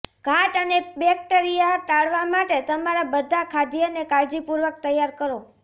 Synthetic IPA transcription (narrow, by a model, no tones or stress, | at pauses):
ɡ̥ʱaʈənebɛk̚ʈəɾijat̪aɭʋamaʈet̪əmaɾabəd̪ʱakʰad̪ijənekaɾd͡ʒipuɾʋək̚t̪əjːaɾkəɾo